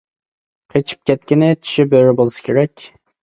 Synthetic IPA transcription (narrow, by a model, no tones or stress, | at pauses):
qʰet͡ʃʰi̥p̚kʲʰɛt̪kʲɪnɪt͡ʃ̪ʰi̥ʃibøɾɪbolˠsɐ̥kʲʰeɾɛkʲ